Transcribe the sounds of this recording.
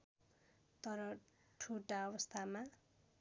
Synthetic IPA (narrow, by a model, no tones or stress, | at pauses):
t̪ʌɾʌ | ʈʰuʈaʌbʌst̪ʰama